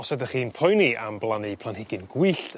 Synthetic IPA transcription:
ɔsɛdəχiːnpʰɔjnia̰mblˠanɨpʰlˠanhɪɡɪnɡwɨɬt

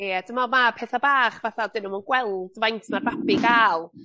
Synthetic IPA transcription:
ejɛd̥əmamapʰeːθabaːχvaθadɪnəmɔnɡ̥wɛlˠd̥vajntʰmarvabɪɡaːlˠ

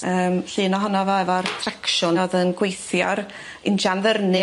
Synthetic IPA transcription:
əːmɬɨːnɔɦɔnɔvɔɛvɔrtʰrakʃʊnɔðənɡwejθjɔ̰ɾ | ɪnʃanvərnɨ

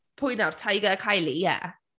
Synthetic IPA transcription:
pʰʊjnar̥tʰajɡəkʰajlijɛ̰

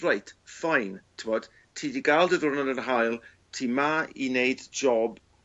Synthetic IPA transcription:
rajtʰfajntʰɪmɔd̥ | tʰiːdiɡalˠdəðʊnadənɦajlˠ | tʰiːmaḭnejdd͡ʒɔb

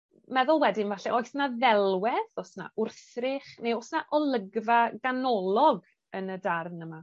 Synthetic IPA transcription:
mɛðʊlˠwɛdɪnvaɬɛʔojsnaðɛlˠwɛðɔsna̰ʊrθrɪχnejɔsnaʔɔlˠəɡvaɡanɔlˠɔɡ | ənədarnəma

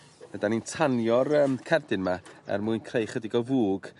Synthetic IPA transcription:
vədanintʰanjɔrəːmkʰɛrdɪnmaɛ̰rmuːɨnkʰrejχədiɡɔvuːɡ̥

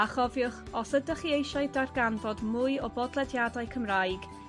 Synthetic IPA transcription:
aχɔvjʊχɔsədəχiejʃaɨdarɡanvɔdmʊɨɔbɔdlˠɛdjadaɨkʰəmrajɡ̥

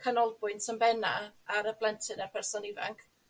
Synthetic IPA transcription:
kʰanɔlˠbʊɨntʰəmbɛna̰aɾəblˠɛntʰɨnarpʰɛrsɔnɪva̰ŋkʰ

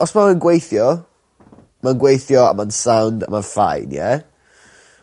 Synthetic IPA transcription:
ɔsmaənɡwejθjɔ | manɡwejθjɔa̰mansawnda̰manfa̰jnjɛ̰

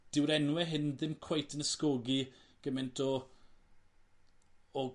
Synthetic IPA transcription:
d̥ɪwɾɛnwɛɦɪnðɪmkʰw̥ajtʰənəskɔɡiɡ̥əmɛntʰɔ

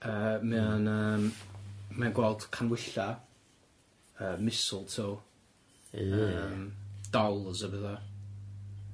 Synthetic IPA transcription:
əːmɛanəːmmɛanɡwɛlˠd̥kʰanwɪɬa | əːmɪsʊlˠtʰiw | əmd̥ɔlˠzəbəða

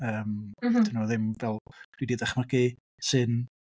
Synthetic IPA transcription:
əːmd̥ɪnoðɪmvɛlˠɡ̥widiðɛχmaɡi | sɨn

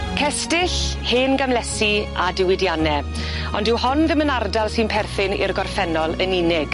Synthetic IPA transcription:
kʰɛstɪɬheːnɡamlɛsiadɪwɪdjanɛ | ɔndɪwhɔnðɪmənardalˠsɨnpʰɛrθɪnɪ̰rɡɔrfɛnɔlˠəninɪɡ̥

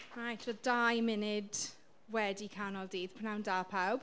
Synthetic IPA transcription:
ɹajtʰvəd̥ajmɪnɪd | wɛdikʰanɔlˠdiːð̥pʰanawndaːpʰawb̥

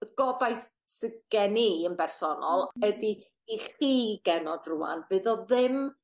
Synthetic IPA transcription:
ɡ̥ɔbajθ | səɡɡ̥ɛniənbɛrsɔnɔlˠədiː | χiːɡɛnɔdrʊa̰nbɨðɔðɪm

